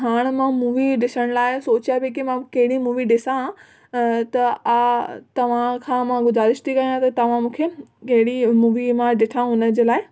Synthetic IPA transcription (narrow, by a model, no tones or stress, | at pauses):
ɦaːɽ̃mãmuːʋiɖɪsəɽ̃laːɪsoːt͡ɕijabɪk̬imãkɐɦɪɽimuːʋiɖɪsã | t̪ɐat̪ɐʋ̤ãkʰãːmãɡʊzaːɾɪʃt̪ʰikɐjãt̪ɐt̪ɐʋ̤ãmũːkʰekɐɦɪɽimuːʋimãɖɪʈʰãɦʊnə̆d͡ʑeːlaːɪ